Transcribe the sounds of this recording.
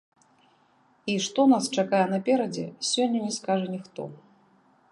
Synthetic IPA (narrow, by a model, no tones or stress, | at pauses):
iʂt̪ɔnast͡ʂakajɛnɐpʲɛɾɐd͡zʲɛ̰sʲɔnʲːɐnʲɛskaʐɐnʲixt̪ɔ̰